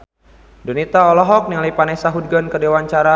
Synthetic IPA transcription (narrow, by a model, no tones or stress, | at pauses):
donit̪aɔlɔɦɔk̚nilajpanasaɦud̚ɡɔnkədewaɲt͡ʃaɾa